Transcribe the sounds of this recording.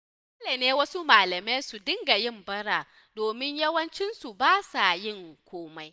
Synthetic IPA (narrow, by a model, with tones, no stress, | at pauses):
ɐ˦leː˨neː˦wɐ˦su˦maː˨lɐ˨ma˦su˨dɪ˦ŋɡa˨jɪ˦˨mbɐ˦ɽaː˨ | doː˨mɪ˦ɲjɐ˦wɐ˦nt͡ʃɪ˦nsu˨baː˦sa˨jɪ˦˨ŋkʷoː˦ma˦j